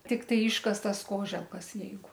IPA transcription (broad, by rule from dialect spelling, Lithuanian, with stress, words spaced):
tʲɪkˈtɐɪ ˈɪʃkɐstɐs ˈkoːʒʲɛlˠkɐs ˈjɛɪɡʊ